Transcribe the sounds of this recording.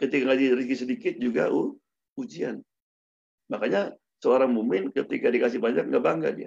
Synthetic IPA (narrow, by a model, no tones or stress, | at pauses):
kət̪ikaŋɡaʔdiɾiɡisədikɪt̪̚d͡ʒuɡa̰ʔu | ud͡ʒia̰n | makaɲa | səoɾaŋmumɪnkət̪ikadikas̬ɪhbaɲak̚ŋɡaʔbaŋɡa̰dia̰